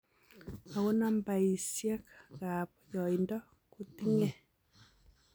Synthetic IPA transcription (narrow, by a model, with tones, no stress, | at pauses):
a˨ɣo˦na˦mba˨i˨sja˦kaɣa˨pjɔ˨indɔ˦ | ku˨ti˦ŋɛ˦